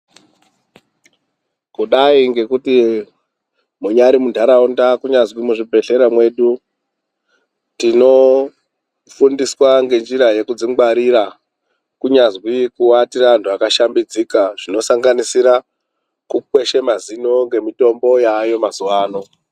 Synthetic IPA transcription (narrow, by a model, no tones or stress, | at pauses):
kuɗaiŋɡe̞kuti | muɲaɾimundʱaɾaundakuɲazwimuʐibʱe̞ɬe̞ɾamwe̞ɗu | tino̞ | fundiswaŋɡe̞nd͡ʒiɾaje̞kud͡ziŋɡwaɾiɾa | kuɲazwikuwatirantʰuakaʃambid͡zikaʐ̥ino̞saŋɡanisiɾa | kukwe̞ʃe̞mazinoŋɡe̞mito̞mbo̞jaːjo̞mazuwaːno̞